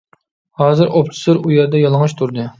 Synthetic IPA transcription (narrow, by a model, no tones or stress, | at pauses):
hɑːzɨɾʔop̚t͡ʃʰɪ̥sɨɾujɛɾd̪ɛjɑlˠɨŋɑʃt̪ʰuɾd̪ɨ